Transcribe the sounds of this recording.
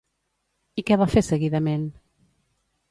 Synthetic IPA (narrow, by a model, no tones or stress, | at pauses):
ikɛβafesəɣiðəmen